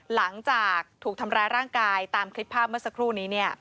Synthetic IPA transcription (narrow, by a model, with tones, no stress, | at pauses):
la˩˦ŋt͡ɕaː˨˩k̚t̪ʰuː˨˩k̚t̪ʰa˧mɾaː˧jɾaː˥˩ŋkaː˧jt̪aː˧mkʰɾi˦˥pʰːaː˥˩p̚mɯ˥˩ɐsa˧kʰɾuː˥˩niː˦˥ni˥˩ɐ